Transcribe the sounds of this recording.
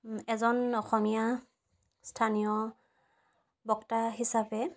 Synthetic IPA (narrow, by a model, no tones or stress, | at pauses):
ɛzɔnɔxɔmija | stʰanijɔ | bɔktaɦisapɛ